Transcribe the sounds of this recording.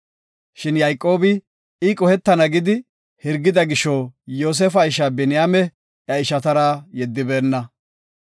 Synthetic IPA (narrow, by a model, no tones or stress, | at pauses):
ʃɪnjɐjkʼːo̞ːbɪ | ɪkʼɔhɛt̪ːɐnɐɡɪd̪ɪ | hɪɾɡːɪd̪ɐɡɪʃːojoːs̬efɐɪʃɐbɛnɪjaːmɛ | jɐɪʃɐt̪ɐɾɐjɛd̪ːɪbe̞ːnːɐ